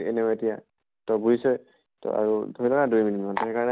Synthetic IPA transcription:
ɛnɛkɔetija | tɔbuzisɔj | tɔ̰ʔa̰ɹudʱoilɔkadujminitmɔntɛɦɛkaɹɔnɛ

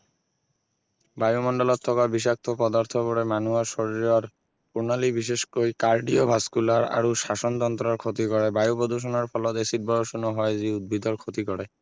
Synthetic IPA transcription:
bajumɔnɖɔlɔt̪ʰːɔkabis̬ak̚t̪ʰɔpɔd̪aɹt̪ʰɔbɔɾɛmanuasoɹiɹaɹ | punalibiʃ̬eʃkojkaɹɖiɔbʱaskulaɹa̰ɹusasɔnt̪ɔnt̪ɾɔɹkʰot̪ikɔɹɛbajupod̪uʃ̬ɔnɔɹpʰɔlɔt̪esit̚bɔɹɔsunɔɦɔjziud̪̚bid̪ɔɹkʰot̪ikɔɹɛ

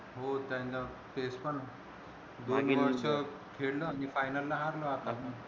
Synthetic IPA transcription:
ɦot̪jãnda | tespəɳ | d̪onʋəɾsə | kʰeɽləanifajnəlːaɦaɾləat̪atəɳ

